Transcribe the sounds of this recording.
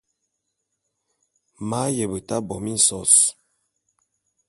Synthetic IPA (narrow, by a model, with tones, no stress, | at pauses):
ma˨˦jə˨bə˨ta˦bɔ˨mi˦n̩˨sɔ˦s